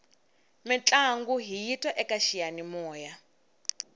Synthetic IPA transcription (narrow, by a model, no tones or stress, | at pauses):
mit͡ɬʼaŋɡuɦijitʼwaʔɛkaʃijanimɔːja